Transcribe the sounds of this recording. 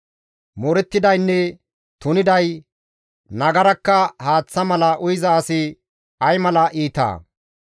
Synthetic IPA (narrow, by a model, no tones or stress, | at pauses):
mɔɾɛt̪ːɪd̪ɐjnːɛ | t̪ʊnɪd̪ɐj | nɐɡɐɾɐkːɐhaːt͡sːɐmɐlɐʔʊjɪzɐːsɪ | ɐjmɐlɐʔiːt̪a̰ː